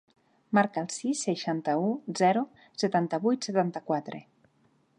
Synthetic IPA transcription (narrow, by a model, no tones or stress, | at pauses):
maɾkəːlˠsisːeʃant̪əuzɛɾu | set̪ant̪əβujt̪set̪ant̪əkwat̪ɾḛ